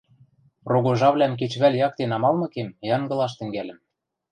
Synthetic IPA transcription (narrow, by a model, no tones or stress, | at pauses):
roɣoʒɑβlʲæmk̬et͡ɕβælʲjɑk̚t̪enɑmɑlmɤ̆kemjɑŋɡɤ̆lɑʃ̬t̪ɘ̆ŋɡælɘ̆m